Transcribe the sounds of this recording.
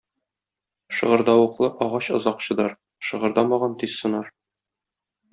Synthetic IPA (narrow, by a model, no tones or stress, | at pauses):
ʃɤ̆ʁɤ̆ɾd̪ɑwŭqlˠɤʔɒʁɑɕɤ̆zɑqɕɤ̆d̪ɑɾ | ʃɤ̆ʁɤ̆ɾd̪ɑmɑʁɑnt̪izsɤ̆nɑɾ